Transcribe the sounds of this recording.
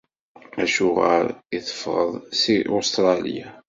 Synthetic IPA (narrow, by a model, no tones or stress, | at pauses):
æʃuʁa̰ɾiθə̥fːɾə̰ðˤsiʔost̪ɾˤɑlija